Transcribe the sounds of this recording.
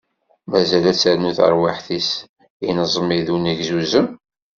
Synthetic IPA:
mæzælæt͡sːæɾnuθə̰ɾwaħθis | inəzˤmiðunæʝzuzəm

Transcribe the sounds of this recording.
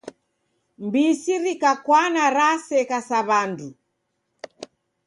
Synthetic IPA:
mbisiɾikakwanaɾasɛkasaβandu

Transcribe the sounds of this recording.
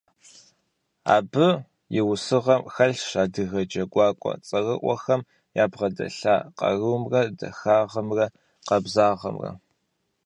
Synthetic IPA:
a̰ːbɨ | jɪwʊsɨʁɐmxɐɬʃaːdɨɣɐd͡ʒɐɡʷɑːkʷʼɔ̰t͡sʼɐʁɨʔʷɔxɐm | jaːbʁɐdɐ̰ɬaːqɐ̰rɨwmrɐdɐ̰xaːʁɐmrɐ | qɐbzaːʁɐ̰mrɐ̰

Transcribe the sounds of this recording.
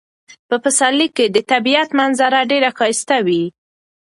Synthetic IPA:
pəfasalikːed̪ət̪abijat̪manzaɾaɖeɾakɑjst̪awi

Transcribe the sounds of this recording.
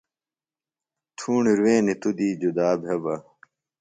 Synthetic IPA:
t̪ʰuːɳiɾweːnit̪ud̪iːd͡ʑud̪aːbʱɦɐbɐ

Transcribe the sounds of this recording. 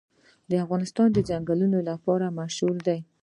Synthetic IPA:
d̪əafɣɑnɪst̪ɑnd̪əd͡ʒaŋɡalunolapɑɾamaʃɣuɾd̪aj

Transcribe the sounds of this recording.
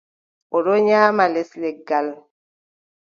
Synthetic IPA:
ɔɾoɲaːmalɛslɛɡal

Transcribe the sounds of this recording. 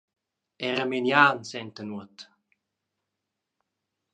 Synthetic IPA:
ɛɾəmenjaːnsɛnt̪ənuət̪

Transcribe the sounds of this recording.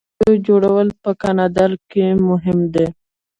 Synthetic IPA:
od͡ʒoɽawəlpəkɑnɑd̪ɑɾkemʊɦɪmd̪e

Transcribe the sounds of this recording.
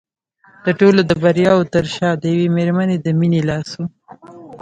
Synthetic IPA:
d̪̥əʈolod̪əbaɾijɑwot̪əɾʃɑd̪əjawemeɾmaned̪əminelɑso

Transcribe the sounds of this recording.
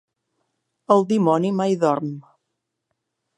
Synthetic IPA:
əlˠd̪imɔnimajðɔɾm

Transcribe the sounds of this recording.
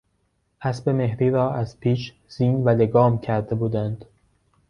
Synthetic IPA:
ʔæsbe̞me̞hɾiːɾɒːʔæz̥pʰiːʃ | z̥iːnvæleɡɒːmcʰæɾd̪e̞buːd̪ænd̪̥

